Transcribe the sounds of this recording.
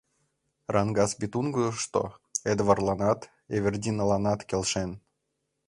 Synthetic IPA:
rʔɑnɡɑsbʲit̪unɡuʃt̪o̰ed̪vɑrlˠɑnɑt̪ | evʲerdʲinəlˠɑnɑt̪kʲelʲʃen

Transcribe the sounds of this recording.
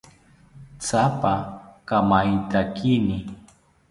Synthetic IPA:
t͡sapakamajt̪akɪnɪ

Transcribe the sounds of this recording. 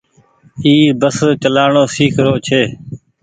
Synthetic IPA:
iːbəst͡ʃəlaːɳoːsiːkʰɾoːt͡ʃʰeː

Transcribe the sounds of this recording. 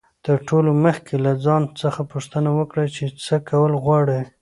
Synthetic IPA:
t̪əɾʈʰoloməxkʰelad͡zɑnt͡səxapuʂt̪ənawəkɽat͡ʃet͡səkawəlɣwɑɽi

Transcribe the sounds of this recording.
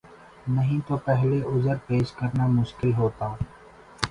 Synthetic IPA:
nɐɦĩt̪opɛɦleʔʊzəɾpeːʃkɐɾnamʊʃkɪlɦoːt̪aː

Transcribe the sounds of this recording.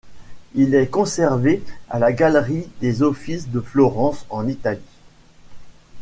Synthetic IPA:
ilɛkɔ̃sɛʁvea̰laɡalʁid̪ezɔfisd̪əflɔʁɑ̃sɑ̃nit̪ali

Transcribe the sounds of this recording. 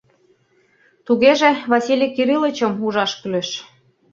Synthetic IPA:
t̪uɣeʒeβɑsʲilʲikiɾilə̆t͡ɕɤ̆muʒɑʃkyleʃ

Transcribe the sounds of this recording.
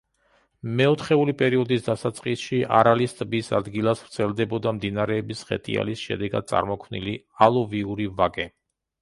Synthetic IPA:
mɛɔt̪ʰχɛulipʼɛɾiɔd̪isd̪asat̪sʼqʼisʃiʔa̰ɾalist̪ʼbisa̰d̪ɡilˠasvɾt̪sʰɛlˠd̪ɛbɔd̪amd̪inaɾɛːbisʁɛ̰t̪ʼḭa̰lisʃɛ̰d̪ɛɡa̰d̪̥̚sʼa̰ɾmɔkʰvnḭli | alˠɔviuɾivaɡɛ

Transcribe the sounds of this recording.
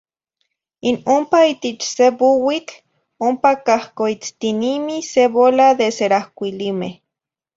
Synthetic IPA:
inompait̪et͡ʃsebuwit͡ɬ | ompakahkoit͡st̪inimiseβolaðeseɾahkʷilimeh

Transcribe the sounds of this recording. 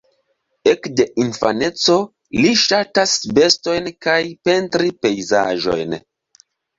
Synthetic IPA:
ekde̞ʔinfa̰ne̞t͡so̞ | liʃatasbe̞sto̞jnkajpe̞ntɾipe̞jza̰ʒo̞̰jn

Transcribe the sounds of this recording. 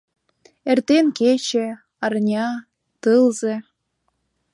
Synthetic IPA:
ert̪enket͡ɕĕ | ɑrnʲɑ | t̪ɯlzĕ

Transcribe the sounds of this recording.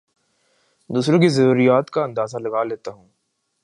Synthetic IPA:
d̪uːsɾõkizɐɾuːɾijaːt̪kaɐ̃nd̪aːzalɐɡaːleːt̪aɦũː

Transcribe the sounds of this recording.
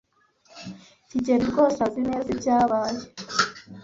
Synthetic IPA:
ciɟeɾiɾɡoːsazinezibɟaːβaːje

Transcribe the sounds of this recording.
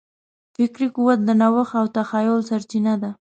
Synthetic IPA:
fɪkɾikuwat̪̚d̪ənawəxawt̪axɑjolsaɾt͡ʃinad̪a

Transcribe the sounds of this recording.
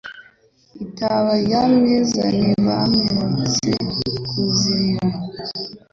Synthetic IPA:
itaβajamɲezaniβameɾet͡sḛkʰuziɾa

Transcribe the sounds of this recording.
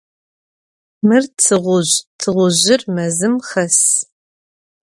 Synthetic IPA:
mɨrt͡sʰɨʁʷʊʑtʰɨʁʷʊʑɪrmɐzɨmχɐs

